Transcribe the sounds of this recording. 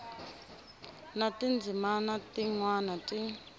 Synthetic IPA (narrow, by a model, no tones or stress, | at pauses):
natind͡zimanatiŋwanatʼi